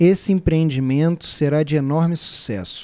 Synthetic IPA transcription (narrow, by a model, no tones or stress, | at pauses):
esɪẽpɾeẽnd͡ʒimẽnt̪ʊ̥seɾad͡ʒɪenɔɾmɪsu̥sɛ̰sʊ̥